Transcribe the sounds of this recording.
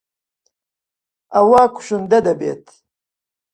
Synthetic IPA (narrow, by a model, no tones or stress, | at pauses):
ɐwaːkʰu̥ɕund̪ɐd̪ɐbḛːt̪